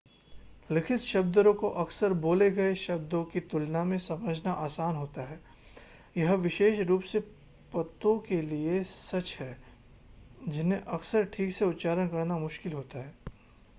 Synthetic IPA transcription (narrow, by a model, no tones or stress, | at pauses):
lɪkʰɪt̪ʃɐb̚d̪ɾõkoʔɐksəɾboːleɡɐeʃɐb̚d̪õkit̪ʊlnamẽsɐməd͡ʒʱnaʔaːsaːnɦoːt̪aɦɛː | jɐɦʋɪʃeːʃɾuːpse | pɐt̪ːõkeliesɐt͡ʃɦɛː | d͡ʒɪnẽʔɐksəɾʈʰiːkseʊt̪ːt͡ʃaːɾənkɐɾnamʊʃkɪlɦoːt̪aɦɛː